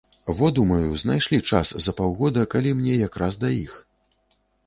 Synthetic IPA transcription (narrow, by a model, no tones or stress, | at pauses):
vɔd̪umɐjuznajʂlʲit͡ʂa̰szɐpawɣɔd̪ɐkalʲimnʲɛjakɾasd̪ɐḭx